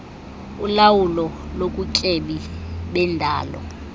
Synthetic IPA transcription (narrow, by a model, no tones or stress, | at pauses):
ulawulɔlokʼucʼeɓiɓɛndʱa̰ːlɔ̰